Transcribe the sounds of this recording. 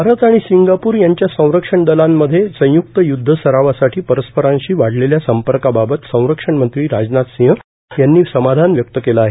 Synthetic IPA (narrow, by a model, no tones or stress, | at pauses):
aɾət̪aɽ̃isiŋɡapuːɾjaɲt͡ɕjasə̃w̃ɾəkʂəɳɖ̪əlamːəd̪ʱːjesə̃j̃juk̚t̪əjud̪ʱːəsəɾaʋasaʈʰiːpəɾəspəɾãɲɕiːʋaɽleljasəmpəɾkababət̪sə̃w̃ɾəkʂəɳmənt̪ɾiːɾad͡znat̪sĩɦə | janːiːsəmad̪ʱanʋjək̚t̪əkelaːɦe